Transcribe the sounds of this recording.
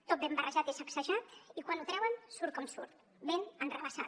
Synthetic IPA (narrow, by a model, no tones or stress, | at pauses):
t̪ot̪̚bembərəʒat̪isaksəʒat̪ikwanut̪ɾɛwənsuɾt̪̚kɔmsuɾt̪ | benənrəβəsa